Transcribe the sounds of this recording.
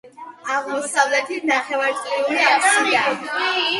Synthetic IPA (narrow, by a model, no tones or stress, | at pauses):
aʁmɔsavlɛt̪ʰinaχɛvaɾt̪sʼliuɾiaasia